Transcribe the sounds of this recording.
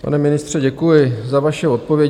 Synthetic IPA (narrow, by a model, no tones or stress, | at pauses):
pa̰nɛmɪnɪst̪r̝̥ɛɟɛkujɪzavaʃɛo̞t̪̚po̞vjɛ